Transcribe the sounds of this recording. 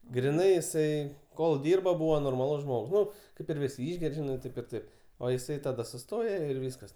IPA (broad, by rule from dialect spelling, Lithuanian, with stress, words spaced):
ɡrʲɪˈnɐɪ ɪˈsɐɪ koːlˠ ˈdʲiːrbɐ ˈbuːʋɐ noːrˈmɑːlˠʊs ˈʒmoːk ˈnʊ ˈkɐɪp ɪr ˈʋʲɪsʲɪ ˈɪʒʲɡʲɛrʲ ˈʒʲɪnɐɪ ˈtɐɪp ɪr ˈtɐɪp oː jɪˈsɐɪ tɐˈdɐ sʊˈstoːjɛ ɪr ˈʋʲiːskɐs